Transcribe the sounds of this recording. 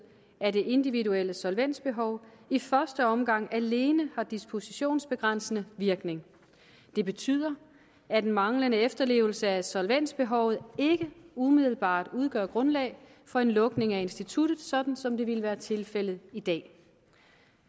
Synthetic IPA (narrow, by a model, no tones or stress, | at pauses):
æɐɾe̝ʔe̝nd̥iʋiduel̰əsɒ̽lʋen̰d̥sb̥e̝ɦɒ̽ʊifɶɐsd̥əɒ̽mɡ̥ɑ̈ŋ̰æle̝ːnəhɑ̈d̥isbpʰo̝siɕo̝̰ːnsb̥e̝ɡ̥ʁan̰sənəʋiɐɡ̥ne̝ŋ | d̥e̝b̥e̝t͡sʰy̰ð̰ˠɐ | æd̥enmɑ̈ŋlənəefd̥ɐle̝̰ːʊl̩səæsɒ̽lʋen̰d̥sb̥e̝ɦɒ̽ʊð̞̩ˠe̝ɡ̥əumið̞ˠl̩b̥ɑ̰̈ːd̥uð̞ˠɡ̥ɶɐ̰ɡ̥ʁɔ̽nlɛ̰ːɪ | fɒ̽e̝nlɔ̽ɡ̥ne̝ŋæe̝nsd̥it͡sʰud̥ð̩ˠsɒ̽d̥n̩sɒ̽md̥e̝ʋelʋæːɐt͡sʰe̝lfel̰ð̩ˠid̥ɛ̰ː